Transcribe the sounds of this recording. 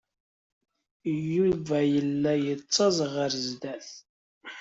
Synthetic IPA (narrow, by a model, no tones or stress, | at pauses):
juvæjəlːæjət͡sˤːɑzˤʁəɾzd̪æθ